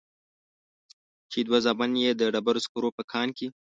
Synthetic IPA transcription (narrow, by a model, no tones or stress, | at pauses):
t͡ʃed̪wazɑbanjed̪əɖabaɾoskuɾopəkʰɑːnki